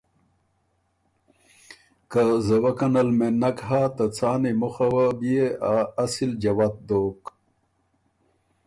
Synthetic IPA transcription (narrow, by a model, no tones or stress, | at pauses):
kazɐwɐkɐnɐlmenɐkɦaːt̪at͡saːnimuxawabieaːsild͡ʑɐwat̪̚d̪oːk